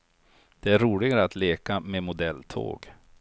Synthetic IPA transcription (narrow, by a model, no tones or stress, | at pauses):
d̪̥ɛæɾuːlɪɡaɾəat̪leːkamemʊd̪ɛlːt̪ʰo̰ːɡ